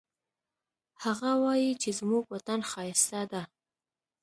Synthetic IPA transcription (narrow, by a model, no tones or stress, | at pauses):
haɣawɑjit͡ʃezmuɡwat̪anxɑjɪst̪ad̪a